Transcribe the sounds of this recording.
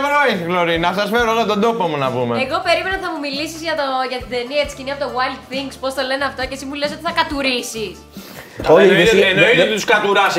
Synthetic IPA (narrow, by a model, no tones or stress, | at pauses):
vɾoiɣloɾinɐsɐsfeɾoɣɐt̪ond̪o̞pomunɐpumeeɣo̞pe̞ɾime̞nɐθɐmumilisizʝɐt̪oʝɐt̪id̪eniɐesi̥ciniɐpot̪owajld̪θiŋɡspo̞st̪o̞le̞neɐft̪ocesimuleso̞t̪iθɐkɐt̪uɾisis | oienoit̪ut̪u̥skɐt̪uɾɐs